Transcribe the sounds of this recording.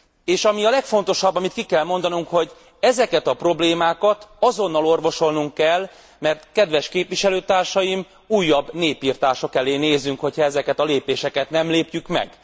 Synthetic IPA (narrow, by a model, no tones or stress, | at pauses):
eːʃɒmiɒlɛkfo̞nt̪o̞ʃɒbːɒmit̪kikɛlmo̞n̪d̪ɒnuŋkho̞ɟ | ɛzɛkɛt̪ɒpro̞bleːmaːkɒt̪ɒzo̞n̪ːɒlo̞rvo̞ʃo̞lnuŋkːɛl | mɛrt̪kɛd̪ʋɛʃkeːpʋiʃɛløːt̪aːrʃɒjim | uːjːɒbneːpiːrt̪aːʃo̞kɛleːneːzːyŋkho̞chɒɛzɛkɛt̪ɒleːpeːʃɛkɛt̪nɛmleːpjykmɛ̰ɡ̥